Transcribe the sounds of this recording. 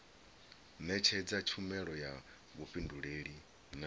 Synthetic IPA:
nɛt͡ʃʰɛd͡zat͡ʃʰumɛɺɔja | βuɸʼinduɺeːɺi | n

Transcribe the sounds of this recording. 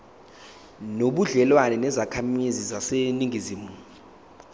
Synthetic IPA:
noɓuɮɛlwanɛnɛzakʰamizizaseniŋɡʱiziːmu

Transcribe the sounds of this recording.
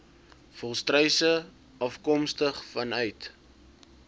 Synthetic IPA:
fɔlˠstrəjsə | ɐfkɔmstəχfɐnœɥt

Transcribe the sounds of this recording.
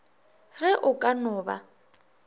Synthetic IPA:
ɣɛʔʊkʼanʊːba̰

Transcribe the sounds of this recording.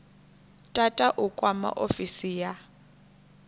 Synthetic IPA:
tʼatʼaʔukʼwama̰ʔofisija

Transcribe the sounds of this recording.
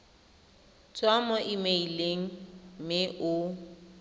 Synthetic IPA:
t͡sʼwamɔʔimeileŋ̩mɪʔʊ

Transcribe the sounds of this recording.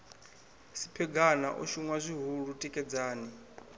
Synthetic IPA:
sipʰɛɡana̰ʔɔ̰ʃuŋwazʷiɦuɺutʼikʼɛd͡zaːni

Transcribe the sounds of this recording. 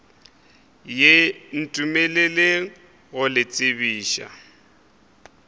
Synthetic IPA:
jen̩tʼumelele | ɣʊlɪt͡sʼɪβiːʃa̰

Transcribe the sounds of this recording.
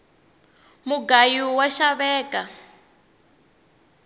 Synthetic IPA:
muɡajiwaʃaβɛːka

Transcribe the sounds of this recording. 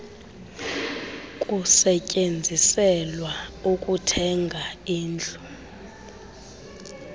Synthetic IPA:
kʼusɛcʼend͡zʱisɛlwaukʼutʰɛŋɡʱaiːnd͡ɮʱu

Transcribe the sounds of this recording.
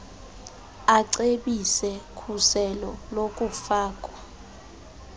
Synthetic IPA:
aǀeɓisɛkʰusɛlɔlok̬ʼufaːkʼwa

